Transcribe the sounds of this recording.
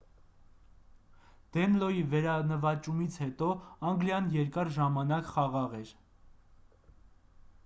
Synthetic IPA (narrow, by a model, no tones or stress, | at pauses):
d̪̥ɛnlɔjivɛɾɑnəvɑt͡ʃumit͡sʰhɛt̪ɔɑŋɡljɑnjɛɾkɑɾʒɑmɑnɑkχɑʁɑʁɛɾ